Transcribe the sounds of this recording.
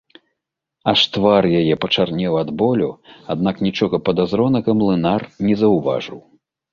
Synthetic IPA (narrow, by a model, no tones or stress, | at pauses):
aʂt̪varjajɛpɐt͡ʂarnʲɛwad̪bɔlʲuad̪naknʲit͡ʂɔɣɐpɐd̪azɾɔnɐɣɐmlˠɨnarnʲɛzɐwva̰ʐɨ̰w